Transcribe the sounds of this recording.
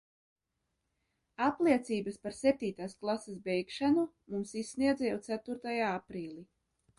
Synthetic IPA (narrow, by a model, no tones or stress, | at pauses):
apliɛt̪siːbaspaɾsɛp̚t̪iːt̪aːsklˠasesbɛjkʃanu | mumsisːniɛd̪zɛjɛwt̪sæt̪uɾt̪ajaːapɾiːlʲˠi